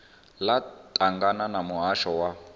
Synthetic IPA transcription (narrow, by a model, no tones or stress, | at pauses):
latʼaŋɡananamuɦaʃɔwa